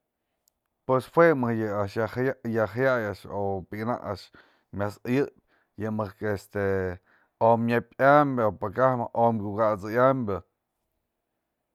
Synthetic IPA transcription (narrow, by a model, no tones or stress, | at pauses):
pweshwemɨhjɨaʔʃajaxajajaʔʂopikna̰ʔa̰ʂ | mʲasjɨʔp̚ʲ | jɨmɨhkest̪e | omɲapʲambʲopakahmaʔomɡʲukat͡sɨjambʲɨ